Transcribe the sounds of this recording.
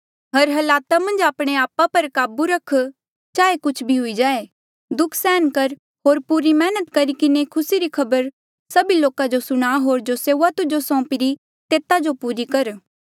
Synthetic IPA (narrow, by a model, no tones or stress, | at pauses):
ɦɐɾɦɐlaːt̪amɐ̃nd͡ʒaːpɽ̃eaːpapɐɾkaːbuɾɐkʰ | t͡ʃaːekʊt͡ʃʰbʱiɦʊid͡ʒaːe | d̪ʊkʰsɛːnkɐɾ | ɦoːɾpuɾimɛːnət̪kɐɾikɪnekʰʊsiɾikʰɐbəɾ | sɐbiloːkad͡ʒosʊɽ̃aɦoːɾd͡ʒoseːuːat̪ʊd͡ʒosɔ̃ːpiɾi | t̪eːt̪ad͡ʒopuːɾikɐɾ